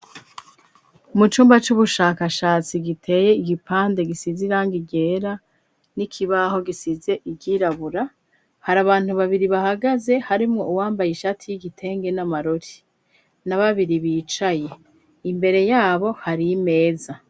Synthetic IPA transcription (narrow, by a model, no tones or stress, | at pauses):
mut͡ʃuːmbat͡ʃuβuʃaːkaʃaːt͡siɡitʰe̞ːje̞iɡipaːnde̞ɡisiziɾaːŋɡiɟe̞ɾa | nikʰiβaho̞ɡisize̞ʔiɟiɾaβuɾa | haɾaβaːn̥huβaβiɾiβahaɡaze̞haɾimŋo̞uwaːmbajiʃatʰijiɡitʰe̞ːŋɡe̞namaɾoɾi̥ | naβaβiɾiβiːt͡ʃaje̞ | imbe̞ɾe̞jaːβo̞haɾime̞ːza